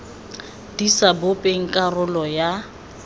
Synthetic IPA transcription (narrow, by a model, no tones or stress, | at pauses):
disabʊpʼeŋ̩kʼarʊlɔja